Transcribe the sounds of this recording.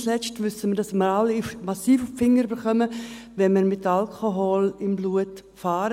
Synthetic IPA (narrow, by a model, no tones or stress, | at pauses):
slɛt͡ʃtʋʏsəmədɑsməɾalːimasiːfʊffɪŋːəɾybəɾχœməvɛnmiɾmɪtalkʰoɦolɪmbluət | faːɾə